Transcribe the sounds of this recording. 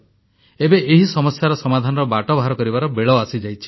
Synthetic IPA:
ebeʔeɦisɔmɔsjaɾɔsɔmad̪ʱanɔɾɔbaʈɔbʱaɾɔkɔɾibaɾɔbeɭɔasid͡ʒajt͡ʃʰi̥

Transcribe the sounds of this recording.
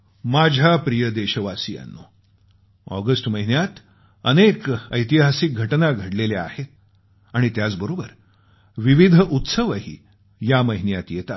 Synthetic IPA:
mad͡ʑʱapɾijəd̪eɕəʋasija̰nːo̰ | ɔ̰ɡəsʈməɦinjat̪ | ənekəjt̪iɦasik̚ɡʱəʈnaɡʱəɽlelea̰he | aɽ̃it̪jat͡sbəɾobəɾ | ʋiʋid̪ʱʔut̪səʋəɦḭː | jaməɦinjat̪jet̪a

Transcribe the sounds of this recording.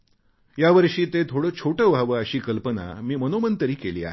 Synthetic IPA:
jaʋəɾʂiːt̪et̪ʰoɽəːt͡ɕʰoʈəːʋʱaʋəəɕiːkəlpəna̰miːmənomənt̪əɾiːkeliːa̰ɦe

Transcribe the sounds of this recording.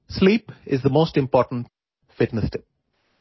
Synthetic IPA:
sliːpɪzd̪əmoːsʈɪ̃mpɔːʈə̃n̩ʈ̚ | fɪʈnəsʈɪp̚

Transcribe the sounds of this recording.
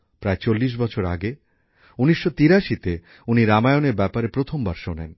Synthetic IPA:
pɾaet͡ɕolːiʃ̬bɔt͡ɕʰoɾa̰ɡe | uniʃːot̪iɾaʃit̪e | uniɾamaeoneɾbɛpaɾepɾot̪ʰombaɾʃonḛn

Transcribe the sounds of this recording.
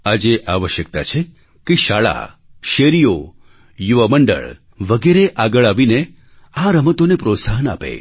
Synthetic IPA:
ad͡ʒeʔaʋəʃjək̚t̪a̰t͡ʃʰe | keʃaɭa̰ | ʃeɾijo | juʋəməɳɖə̰ɭ | ʋəɡeɾeʔaɡəɭaʋine | ãɾəmət̪onepɾot̪saɦəna̰pḛ

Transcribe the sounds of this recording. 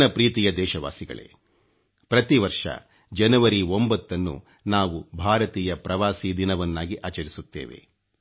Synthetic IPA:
nɐpɾiːt̪ijɐd̪ɛːʃɐʋa̰ːsiɡɐ̰ɭḛ | pɾɐt̪iʋɐɾʂɐ̰ | d͡ʒɐnɐʋɐɾiombɐt̪ːɐnːṵ | naːʋubʱaːɾɐt̪iːjɐpɾɐʋaːsiːd̪inɐʋɐnːaːɡiʔaːt͡ʃɐɾisut̪ːḛːʋḛ

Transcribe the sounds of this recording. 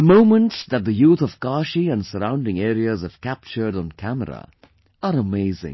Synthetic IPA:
əmõʊ̃mə̃ntsðɨt̪̚ðɨjuːθʌvɡɑʃiɨ̃nsəɾãʊ̃ndɪ̃ŋɛːɾiɨzʌv̥kʰæp̚t͡ʃə˞ɾn̩kʰæmə̰ɾə̰ | əɾəmeɪzɪ̰̃ŋ

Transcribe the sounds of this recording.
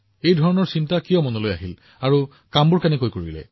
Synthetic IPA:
ejdʱɔɹɔnɔɹsintakijɔmɔnɔlojaɦil | aɹu | kambuɹkɛnɛkojkoɹilɛ̰

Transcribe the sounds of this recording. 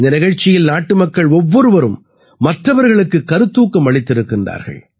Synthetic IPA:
nd̪ɐnɪɣɐɻt͡ʃːɪjɪlnaːʈːɯmɐkːɐɭɔʋːɔɾɯʋɐɾɯmː | ɐʈrɐʋɐɾɣɐɭɯkːɯkːɐɾɯt̪ːuːkːɯmɐɭɪt̪ːɪɾɯkːɪndra̰ːɾɣɐ̰ɭ

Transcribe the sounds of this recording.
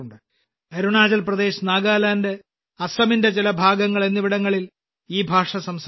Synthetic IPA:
ɳɖɨ | ɐɾuɳaːd͡ʑɐlprɐd̪e̞ːɕnaːɡaːlaːnde̞ | ɐsɐminde̞t͡ɕilɐbʱaːɡɐŋːɐɭe̞nːiʋiɽɐŋːɐɭil | iːbʱaːʂɐsɐms

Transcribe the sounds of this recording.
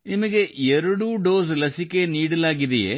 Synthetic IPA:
nimɐɣeeɾuɽuːɖoːslɐsikʲːeniːɽilaːɣiðɐjḛ

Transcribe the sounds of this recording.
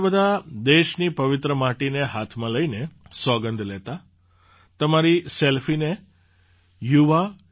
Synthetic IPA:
bəd̪ʱad̪eʃnipəʋɪt̪ɾəmaʈineɦat̪ʰmãləinesɔɡənd̪ʱlet̪a | t̪əmaɾiselfine | juʋa

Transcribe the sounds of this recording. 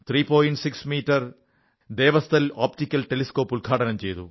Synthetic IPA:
t̪ʰɾiːpoːjiɳʈsiksmiːʈːɐɾ | d̪eːʋɐst̪ʰɐlaːpʈikʲːɐlʈeliskoːpulɡʱaːʈɐnɐmt͡ɕejt̪ṵ

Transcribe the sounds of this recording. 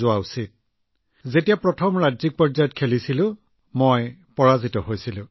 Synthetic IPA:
ʊausit̚ | zetijapɹɔtʰɔmɹad͡ʒzik̚pɔɹzajɔt̚kʰelisilʊ̃ | mojpɔɹazitɔɦojsilʊ̃

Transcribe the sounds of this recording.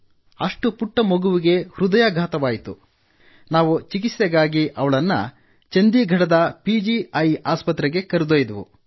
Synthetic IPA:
ɐʂʈupuʈːɐmoɡuʋiɡe̞hɾud̪ɐjaɡʱaːt̪ɐʋaːjit̪ṵ | naːʋut͡ʃik̬isjɐɡaːɡiʔɐʋɐɭɐnːɐ̰ | t͡ʃend̪iɡʱɐɽɐd̪ɐpiːd͡ʒiɐjaːspɐt̪ːɾɛɡe̞kɐɾud̪oːjd̪ɐʋṵ

